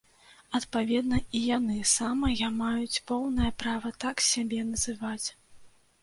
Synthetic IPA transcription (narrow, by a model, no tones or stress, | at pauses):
ɐt̪pavʲɛd̪nɐijanɨsamɐjamajut͡sʲpɔwnɐjɐpɾavɐt̪aksʲabʲɛnɐzɨvat͡sʲ